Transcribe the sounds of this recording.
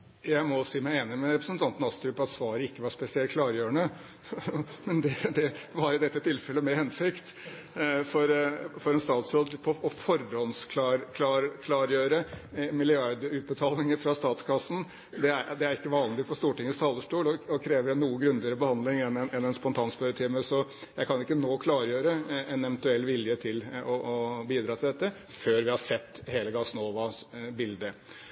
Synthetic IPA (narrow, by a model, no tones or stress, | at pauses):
jæɪmɔsiːmæɪeːnɪmɛɾɛpɾəsənt̪ʰɑnt̪ən̩ɑst̪ɾʉpːɑt̪sʋɑːɾəɪkːəʋɑʂpɛsɪɛl̚kʰlɑːɾjøːəɳə | mɛnd̪ɛd̪ɛʋɑɾɪd̪ɛt̪ːət̪ʰɪlfɛlːəmɛhɛnsɪkt̪ | fɔɾfɔɾɛnst̪ɑːt̪sɾɔld̪pʰɔʔɔfɔɾɔnskʰlɑɾkʰlɑɾkʰlɑːɾjøːɾəmɪlɪɑɾd̪əʉːt̪̚bət̪ʰɑːlɪŋəfɾɑst̪ɑːt̪skʰɑsːn̩ | d̪ɛæd̪ɛæɾɪkːəʋɑːnlɪɡfɔʂt̪uːʈɪŋːəst̪ʰɑːlːəʂʈuːlɔɔkʰɾeːʋəɾɛnːuːəɡɾʉnlɪəɾəbəhɑnd̪lɪŋɛnɛnɛnɛnspɔnt̪ʰɑːnspœɾət̪ʰɪːməsɔjæɪkʰɑnɪkːənoːkʰlɑːɾjøːɾəɛnɛʋənt̪ʉɛlːʋɪljət̪ʰɪlɔʔɔbiːd̪ɾɑːt̪ʰɪld̪ɛt̪ːə | føːɾʋɪhɑsɛt̪ːheːləɡɑsnoːʋɑbɪld̪ə